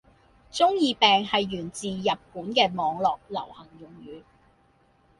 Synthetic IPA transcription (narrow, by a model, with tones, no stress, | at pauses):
t͡sʊ˥ŋjiː˨˧pɛː˨ŋhɐ˨jːyː˨˩nt͡siː˨˩jɐ˨p̚kuː˨˥nkɛː˧mɔː˨˧ŋlɔː˨k̚lɐ̰˨˩whɐ˨˩ŋjʊ˨˩ŋjyː˨˥